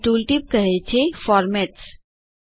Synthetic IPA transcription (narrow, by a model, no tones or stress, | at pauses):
ʈuːlʈip̚kəɦet͡ɕʰefɔɾmɛʈs